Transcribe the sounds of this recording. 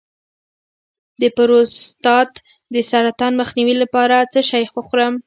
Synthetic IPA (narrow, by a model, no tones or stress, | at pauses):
d̪əpʊɾost̪ɑt̪ | d̪əsaɾat̪ɑnməxniwilapɑɾat͡səʃɑjxwəxɾəm